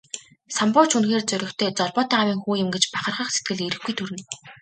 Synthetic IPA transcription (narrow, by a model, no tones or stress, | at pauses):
sampʊːt͡ɕʰunxeːrt͡sœɾʲɪ̆kt̪ʰeːt͡sɔɮpɔːt̪aːawʲiːŋxuːjɪ̆mɡet͡ɕpaχə̆rʁə̆χset̪̚ɡɘ̆ɮiɾɘ̆xɡujt̪ʰuɾɘ̆n